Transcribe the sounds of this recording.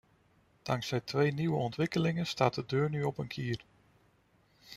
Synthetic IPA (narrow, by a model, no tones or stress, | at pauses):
d̥ɑŋksɛjtʰʋejniwəɔntʋɪkəlɪŋəstaːt̚dədøːɹnyɔpənkʰiər